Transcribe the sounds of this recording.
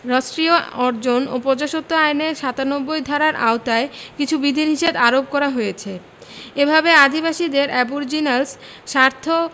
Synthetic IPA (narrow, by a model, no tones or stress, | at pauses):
ɾɔʃʈɾioɔɾd͡ʑono̰pɔd͡ʑaʃot̪ːoajneɾʃat̪anobːojd̪ʱaɾaɾʔa̰ot̪aekit͡ɕʰubid̪ʱinɦiʃed̪aɾop̚kɔɾaɦojet͡ɕʰe | ebʱabead̪ʱibaʃid̪eɾʔɛbuɾd͡ʑinals | ʃaɾt̪ʰo